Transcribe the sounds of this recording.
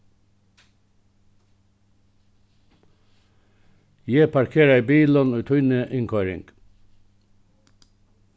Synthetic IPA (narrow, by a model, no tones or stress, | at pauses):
jepʰɑɾkʰeːɾæɪbiːlɔnʉːt̪ʰʉʏnəʔɪŋkʰɑːɾɪ̰ŋɡ̥